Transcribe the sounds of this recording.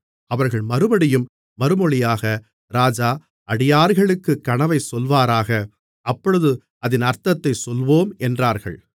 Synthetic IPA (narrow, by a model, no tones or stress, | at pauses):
ɐʋɐɾɣɐɭmɐɾɯbɐɽɪjɯmː | ɐɾɯmɔɭɪjaːɣɐ | ɾaːd͡ʒaː | ʔɐɽɪjaːɾɣɐɭɯkːɯkːɐɳɐʋɐɪsɔlʋaːɾaːɣɐ | ʔɐpːɔɻɯðɯ | ɐðɪnɐɾt̪ɐt̪ːɐɪsɔlʋoːmɛndraːɾɣɐ̰ɭ